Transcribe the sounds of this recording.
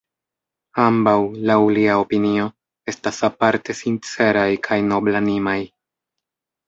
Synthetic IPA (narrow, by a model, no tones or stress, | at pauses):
ambawlawuliaopinio̞ | e̞stasapaɾte̞sint͡se̞ɾajkʰajno̞blanimaj